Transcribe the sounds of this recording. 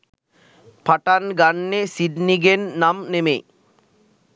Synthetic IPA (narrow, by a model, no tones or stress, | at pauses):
pʰaʈanɡanːesid̪niɡenːamnemḛ